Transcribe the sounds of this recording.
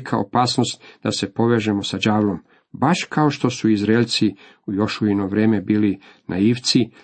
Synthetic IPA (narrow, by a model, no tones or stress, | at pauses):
kʰao̰paːsnost̪d̪ase̞po̞ʋeːʒemo̞sad͡ʒaːʋlo̞m | baʃkao̞ʃt̪o̞suizɾelt̪si | ujo̞ʃuino̞ʋɾeːmebiːli | nʔa̰iːʋt̪si